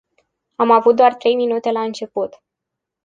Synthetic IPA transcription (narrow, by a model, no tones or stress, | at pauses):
amavut̪̚d̪oart̪ɾe̞jminut̪e̞laɨnt͡ʃe̞put̪